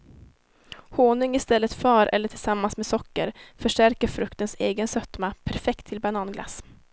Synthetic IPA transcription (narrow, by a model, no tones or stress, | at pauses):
hoːnʏŋɪst̪ɛlːət̪fœːɾʔɛ̰lːəʈʰɪlsamːansmesɔkːə̰ɾfœʂʈæɾkəɾfɾɵkt̪ənseːɡənsœt̪mapʰæɾfɛkt̪ʰːɪlbanɑːnɡlʔa̰s